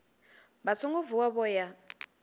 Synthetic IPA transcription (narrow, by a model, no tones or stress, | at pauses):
bat͡sʰɔŋɡɔvuwaβɔja